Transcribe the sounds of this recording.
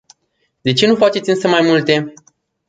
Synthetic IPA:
d̪e̞t͡ʃe̞nufat͡ʃe̞t̪sʲɨnsəmajmult̪e̞

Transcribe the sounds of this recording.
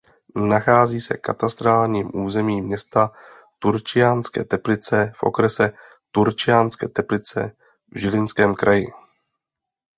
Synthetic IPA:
naxaːziːsɛkkat̪ast̪ɾaːlɲiːmʔuːzɛmiːmɲɛst̪a | t̪uɾt͡ʃɪjanskɛ̰ːt̪ɛplɪt͡sɛfʔo̞̰kɾɛsɛ | t̪uɾt͡ʃɪjanskɛːt̪ɛplɪt͡sɛ̰ | vʒɪlɪnskɛːmkɾʔajɪ

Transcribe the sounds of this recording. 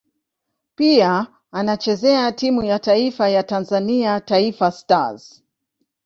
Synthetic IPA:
piaː | nat͡ʃɛzɛatimujataifajatanzaniataifasta̰z

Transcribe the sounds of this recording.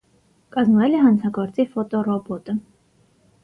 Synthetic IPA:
kɑzmvɛlɛɦɑnt͡sʰɑɡɔɾt͡sifɔt̪ɔrɔbɔt̪ə

